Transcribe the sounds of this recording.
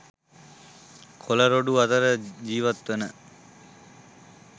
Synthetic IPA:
kʰoləɾoɖuat̪əɾəd͡ʑiːʋat̪ʋenə

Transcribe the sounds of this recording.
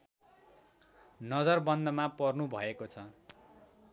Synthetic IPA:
nʌd͡zʌrbʌnd̪ʱʌmapʌrnubʱʌekot͡sʰʌ

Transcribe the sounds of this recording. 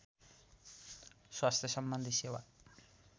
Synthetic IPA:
swast̪ʰjʌsʌmbʌnd̪ʱisewa

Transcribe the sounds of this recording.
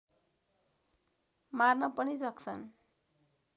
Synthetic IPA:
marnʌpʌnisʌkt͡sʰʌn

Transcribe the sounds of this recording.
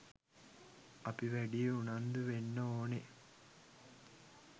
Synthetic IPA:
ɐpiʋæɖijeunand̪uʋenːəoːne

